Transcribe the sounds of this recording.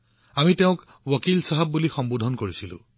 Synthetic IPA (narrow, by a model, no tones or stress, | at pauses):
amiteʊ̃k | wakilsaɦabːulixɔmbudʱɔnkoɹisilʊ̰̃